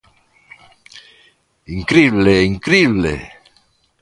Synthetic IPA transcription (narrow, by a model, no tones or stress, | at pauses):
iŋkɾiβleiŋkɾiβlḛ